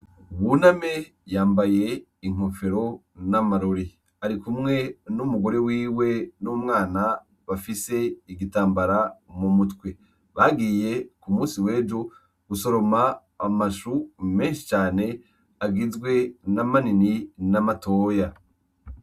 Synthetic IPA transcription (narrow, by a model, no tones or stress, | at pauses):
uβuname̞ | jaːmbaje̞ | iŋ̥ofe̞ɾo̞ | namaɾoɾi | aɾikumŋe̞numuɡo̞ɾe̞wiːwe̞numŋaːna | βafise̞iɡitaːmbaɾamumutwe | βaɡiːje̞kumuːnsiwe̞ːd͡ʒo | ɡ̥uso̞ɾo̞maː | maʃume̞ːnʃi̥t͡ʃaːne̞ | aɡizɡwe̞namanininamato̞ːja